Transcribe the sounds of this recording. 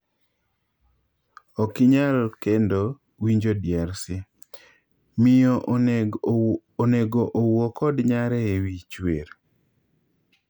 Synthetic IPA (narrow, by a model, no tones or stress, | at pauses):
ɔkɪɲalkendo | wiɲd͡ʒodjaɾsɪ | mɪjɔ | oneɡoʔowɔkɔdɲaɾɛewit͡ʃweɾ